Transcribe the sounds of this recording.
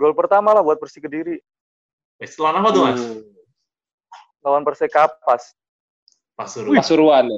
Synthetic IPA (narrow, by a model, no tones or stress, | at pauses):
ɡɔlpərt̪amalahbuat̪̚pərsikədiɾi | ɛsəlaɾampat̪ua | lawanpərsekapːas | pasuɾasuɾuwan